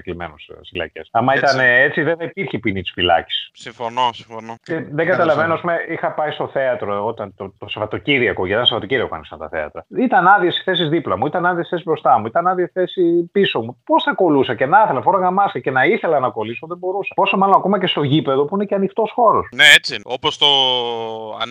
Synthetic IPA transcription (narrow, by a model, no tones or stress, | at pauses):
eklimḛnossilɐ̰cḛsɐmɐit̪ɐneet͡siðeθɐipiɾçepinit̪i̥sfilɐ̰ci̥ssiɱfonosiɱfonoceðe̞ŋɡɐt̪ɐlɐvenoɐspumeixɐpɐist̪o̞θe̞ɐt̪ɾoot̪ɐnt̪ot̪o̞sevɐt̪o̞ciɾiɐkoʝet̪ɐnsevɐt̪o̞ciɾiɐkokɐ̰nisɐnt̪ɐ̰θe̞̰ɐ̰t̪ɾɐit̪ɐnɐðiɐsi̥θe̞s̬izðiplɐmuit̪ɐnɐðiɐsi̥θesibɾo̞st̪ɐmuit̪ɐnɐðiɐsi̥θe̞sipiso̞mupo̞sθɐko̞lusɐce̞nɐθelɐfoɾɐɣɐmɐsɐce̞nɐiθe̞lɐnɐko̞liso̞ðebo̞ɾusɐ̥po̞somɐlo̞nɐko̞mɐce̞st̪o̞ʝipe̞ðo̞puine̞ceɐnixt̪o̞sxo̞ɾo̞sneet͡siopost̪o̰